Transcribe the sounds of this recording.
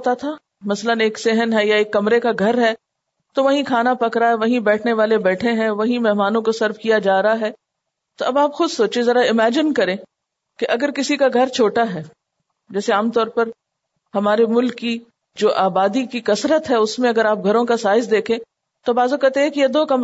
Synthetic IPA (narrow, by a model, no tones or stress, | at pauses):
t̪at̪ʰa | mɐsləneːksɪɦənɦɛjaeːkːɐmɾekaɡʱɐɾɦɛ | t̪oʋɐɦĩkʰaːnapɐkɾaɦɛʋɐɦĩbɛːʈʰneʋaːlebɛːʈʰeɦɛ̃ʋɐɦĩmɛɦmaːnõkosɐɾfkijad͡ʒaːɾɦaɦɛː | t̪oɐbaːpxʊd̪soːt͡ʃẽzɐɾaɪmɛːd͡ʒɪnkɐɾẽː | keʔɐɡəɾkɪsikaɡʱɐɾt͡ʃʰoːʈaɦɛː | d͡ʒɛːseaːmt̪ɔːɾpɐɾ | hɐmaːɾemʊlkːi | d͡ʒoːʔaːbaːd̪ikikɐsɾət̪ɦɛʊsmẽɐɡəɾaːp̚ɡʱɐɾõkasaːɪzd̪eːkʰẽː | t̪obaːzokɛɾt̪eɦɛ̃kijed̪oːkɐm